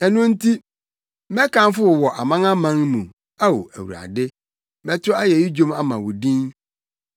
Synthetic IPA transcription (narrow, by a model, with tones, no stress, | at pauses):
ɛ˨nʊ̃˦n̩˦tʰi˦ | mɛ˦kã˦n˦fʊ˦wɔ˨wɔ˨ʔa˨mã˦ŋã˦mã˦ŋmũ˨ | a˦wo̰˨æ̰˨wṵ˨a̰˨dɪ˦ | mɛ̃˦tʰʊ˦a˦jɛ˨ji˦d͡ʑᶣõ˦ma˦mã˨wʊ˨dĩ˦n